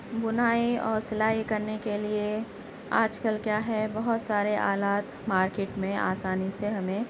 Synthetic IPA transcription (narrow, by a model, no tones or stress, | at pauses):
bʊnaːiɔːɾsɐlaːɦikɐɾnekelie | a̰ːd͡ʒkəlkjaːɦɛbɐɦʊt̪saːɾeʔaːlaːt̪maːɾkeːʈmẽʔa̰ːsaːniseɦɐmẽ